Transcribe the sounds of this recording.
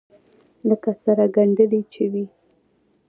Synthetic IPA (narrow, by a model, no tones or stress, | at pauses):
ləkasaɾaɡaɳɖəlit͡ʃewi